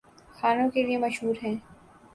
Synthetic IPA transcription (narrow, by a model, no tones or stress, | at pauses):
xaːnõkeliemɐʃɦuːɾɦɛ̃ː